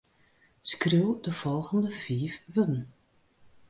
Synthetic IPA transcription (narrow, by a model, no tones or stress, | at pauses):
skriwˠdəv̥ɔlˠɣəndəfiːfʋødn̩